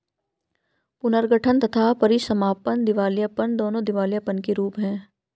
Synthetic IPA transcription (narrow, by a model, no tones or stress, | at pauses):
pʊnəɾɡʱəʈʰənt̪ɐt̪ʰapɐɾisɐmaːpənd̪ɪʋaːljapənd̪oːnõd̪ɪʋaːljapənkeɾuːpɦɛ̃ː